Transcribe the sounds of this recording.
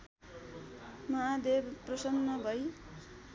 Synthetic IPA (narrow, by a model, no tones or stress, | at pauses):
mʌɦad̪ebprʌsʌnmʌbʱʌj